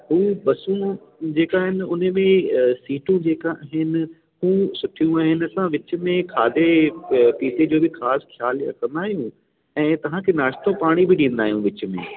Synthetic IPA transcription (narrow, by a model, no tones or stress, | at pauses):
ɦuːɓɐsũ | d͡ʑeːkaːɦɪnɪ̆ʊnəmẽsiːʈũd͡ʑeːkaːɦɪnɪ̆ | hũːsʊʈʰijũaːɦɪnɪ̆ɐsãʋɪt͡ɕʊ̆mẽkʰaːd̪epiːsed͡ʑoːbɪxaːsxʰjaːlɐ̰kʰə̃nd̪aːɦijũ | ɛ̃ːt̪ɐʋ̤ãkʰeːnaːʃt̪õpaːɽ̃ibɪɗĩːnd̪aːijũʋɪt͡ɕʊ̆mḛ̃